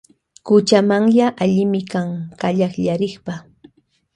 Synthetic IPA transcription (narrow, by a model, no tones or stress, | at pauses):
kʊt͡ʃamaŋjaʔaʎɪmɪkaŋkaʎaχʎaɾɪχpa